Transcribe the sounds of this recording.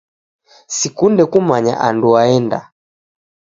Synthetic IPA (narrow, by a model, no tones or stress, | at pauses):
sikundɛkumaɲa̰ʔanduaɛnda̰